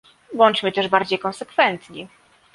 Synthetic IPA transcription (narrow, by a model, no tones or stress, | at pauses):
wɔnt͡ʂmɘt̪ɛʐbaɾd͡ʑejkɔnsɛkfɛnt̪ɲi